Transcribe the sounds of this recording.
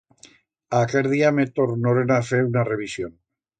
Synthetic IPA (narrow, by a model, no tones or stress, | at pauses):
akeɾðiamet̪oɾnoɾenafeunare̞β̞isjon